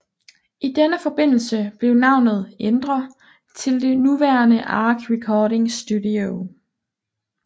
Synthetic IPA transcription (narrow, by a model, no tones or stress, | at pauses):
ʔid̥enəfɒ̽b̥e̝n̰l̩səb̥le̝ʊnɑ̈ʊ̰nð̞̩ˠend̥ʁɐ | t͡sʰe̝ld̥e̝nuʋæɐnəʔɑːɡ̥ʁɛkʰɒːɾe̝ŋsd̥udio